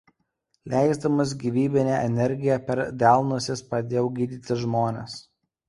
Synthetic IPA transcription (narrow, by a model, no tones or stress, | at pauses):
lʲæˑɪzd̪ɐmɐs̬ɡʲiʋʲiːbʲɪnʲæʔɛnʲɛɾʲɡʲɪjɛpʲɛɾd̪ʲæˑlˠnusʲɪspɾɐd̪ʲeːjɛʊɡʲiːd̪ʲiːt̪ʲɪʒmoːnʲes